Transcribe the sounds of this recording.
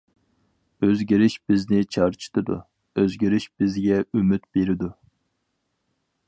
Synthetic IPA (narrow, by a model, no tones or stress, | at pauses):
øzɡʲiɾɪʃb̥ɪznɪt͡ʃʰɑɾt͡ʃʰi̥t̪ʰɨd̪ṵ | øzɡʲiɾɪʃb̥ɪzɡʲɛymyt̪beɾɪd̪u